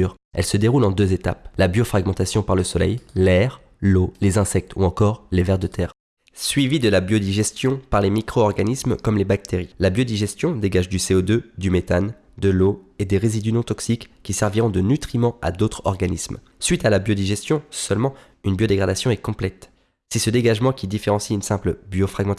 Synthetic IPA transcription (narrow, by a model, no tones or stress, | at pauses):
ʁ | ɛ̰lsəd̪eʁulɑ̃d̪øzet̪a̰plabjɔfχaɡmɑ̃t̪asjɔ̃paʁləsɔlɛ̰jlɛʁ | lolezɛ̃sɛk̚t̪ʰuɑ̃kɔʁlevɛʁd̪ət̪ʰɛːʁ | sɥivid̪əlabjɔd̪iʒɛst̪jɔ̃paʁlemikχoːʁɡanismkɔmlebak̚t̪eʁilabjod̪iʒɛst̪jɔ̃d̪eɡaʒd̪yseod̪ød̪ymet̪an | d̪əloed̪eʁezid̪ynɔ̃t̪ɔksikːisɛʁviʁɔ̃d̪ənyt̪χimɑ̃a̰d̪ot̪χɔ̰ʁɡanism | sɥit̪alabjod̪iʒɛst̪jɔ̃sœlmɑ̃ | ynbjod̪eɡʁad̪asjɔ̃ɛkɔ̃plɛt̪ | sɛsəd̪eɡaʒmɑ̃kʲid̪ifeʁɑ̃siynsɛ̃pləbjofχaɡmɑ̃t̪